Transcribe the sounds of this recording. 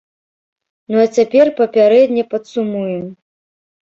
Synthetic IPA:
nuɐt͡sʲapʲɛrpɐpʲaɾɛd̪ʲnʲɐpɐt̪sumujɛm

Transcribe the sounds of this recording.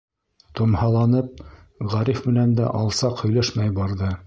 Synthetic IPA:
t̪ŏmhɑlˠɑnɤp̚ | ʁæɾifmɘ̆nænd̪æ̰ʔɑlˠsɑqhɵ̆jlæʃmæjbɑɾðɤ

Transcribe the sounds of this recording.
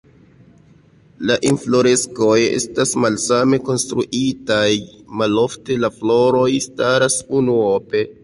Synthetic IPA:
laʔinflo̞ɾe̞sko̞jḛstasmalsame̞ko̞nstɾṵʔitajmalo̞fte̞laflo̞ɾo̞jstaɾasunuope̞

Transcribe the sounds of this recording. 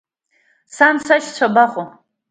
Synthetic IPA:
samsaʃt͡sʷʰabaχʼo

